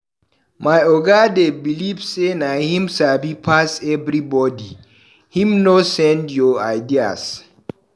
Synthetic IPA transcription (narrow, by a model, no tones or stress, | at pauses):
majɔɡadebilivsenahĩmsabipʰasɛbɾibɔdi | hĩmnosɛ̃ndjɔajdia̰s